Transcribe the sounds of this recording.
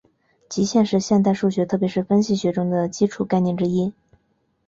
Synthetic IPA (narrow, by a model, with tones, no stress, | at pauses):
t͡ɕi˧˥ɕjɛ˥˧nʂɻ̩˥˧ɕjɛ˥˧nt̪̬a˥˧ɪʂu˥˩ɕɥɛ˧˥t̪ʰɤ˥˩pjʂɻ̩˥˩fə˥nɕi˥˩ɕɥɛ˧˥ʈ͡ʂʊ˥ŋd̪ə˨t͡ɕi˥ʈ͡ʂʰu˧˩ka˥˧ɪnjɛ˥˩nʈ͡ʂɻ̩˥i˥